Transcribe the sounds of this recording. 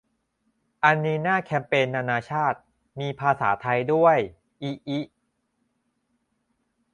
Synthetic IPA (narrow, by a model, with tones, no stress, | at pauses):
ʔa˧nːiː˧naː˥˩kʰɛː˧mpeː˧nːaː˧naː˧t͡ɕʰaː˥˩t̪̚ | miː˧pʰaː˧sa̰ː˩˦t̪ʰa˧jdu˥˩əj | ʔiː˦ʔi˦˥ʔ